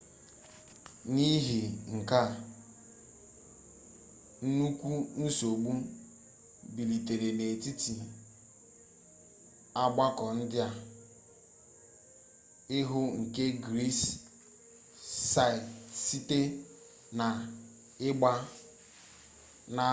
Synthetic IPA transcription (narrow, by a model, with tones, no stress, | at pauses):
ni˦ɦi˨ŋ̩˨ka˦˨ | n̩˦nu˦kʷu˦n̩˦so˨ɡ͡bu˦ | bi˨li˨te˨ɾe˨ne˨ti˦ti˨ | a˦ɡ͡ba˦kɔ˨n̩˦dɪ˦a˦ | ɪ˦ɦʊ˦ŋ̩˨ke˦ɡɾi˦s | a˦˨si˦te˦ | na˨ | ɪ˦ɡ͡ba˦ | na˦